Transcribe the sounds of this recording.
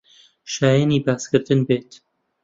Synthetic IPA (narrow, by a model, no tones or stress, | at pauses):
ʃaːjaniːbaːskɨɾt̪ɨnbeːt̪